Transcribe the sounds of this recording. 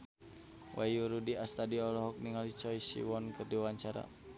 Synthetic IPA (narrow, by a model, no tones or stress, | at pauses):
wʔa̰juɾudiast̪adiɔlɔɦɔk̚niŋalit͡ʃɔisḭwɔnkərdiwaɲt͡ʃaɾa̰